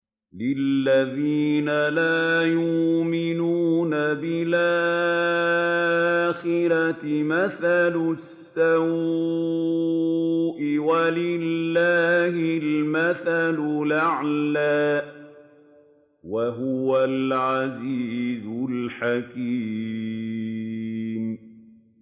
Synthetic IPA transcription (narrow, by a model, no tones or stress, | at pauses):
lɪlːaðiːnalaːjʊmɪnuːnabɪlʔa | xɪɾɑɪmaθalʊsːaw | ʔɪwalɪlːaːhɪlmaθalʊlaʕlaː | waɦʊwalʕaziːzʊlħaki | m